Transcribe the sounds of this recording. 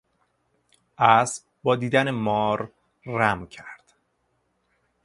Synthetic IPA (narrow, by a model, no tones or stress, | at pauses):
ʔæsb̚ | bɒːd̪iːd̪ænemɒːɾː | æmcʰæɾd̪̥